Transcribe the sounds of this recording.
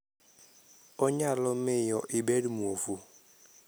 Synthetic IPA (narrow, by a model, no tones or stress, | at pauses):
oɲalɔmɪjɔʔibeɾimuofu